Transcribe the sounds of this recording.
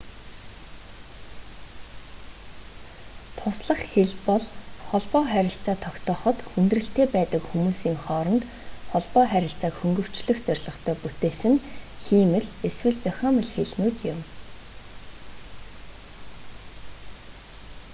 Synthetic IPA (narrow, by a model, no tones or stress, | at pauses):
t̪ʰʊsɮə̆χxeɮpɔɮχɔɮpɔːχæɾʲɪ̆ɬt͡saːt̪ʰɔkt̪ʰɔːχɞ̆t̪xunt̪rɘ̆ɬt̪eːpæːt̪ə̆kxumuːsiːŋχɔːɾɞ̆nt̪ | χɔɮpɔːχæɾʲɪ̆ɬt͡saːkxɵŋɡɵ̆w̥t͡ɕɮɘ̆xt͡sœrʲɮʁɞ̆χt̪ʰœːput̪eːsɘ̆ŋxiːmɘ̆ɮeswɘ̆ɮt͡sœxʲɔːmə̆ɮxeɮnuːt̪jʊm